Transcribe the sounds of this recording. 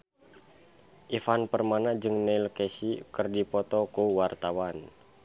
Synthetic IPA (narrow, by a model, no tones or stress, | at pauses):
ʔifanpərmanad͡ʒɨŋnɛilkɛsikɨrdipɔt̪ɔkuwart̪awan